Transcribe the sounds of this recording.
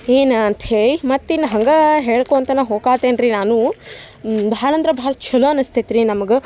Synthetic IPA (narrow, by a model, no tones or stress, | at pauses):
eːnɐnt̪ɦeːɭimɐt̪ːinːɐɦɐŋɡɐɦeːɭkoːɐnt̪ɐnːɐɦoːkaːt̪eːnɾinaːnu | bʱaːɳɐnd̪ɾɐbʱaːɭɐt͡ʃʰɐloɐnɐst̪it̪ɾinɐmɐɡe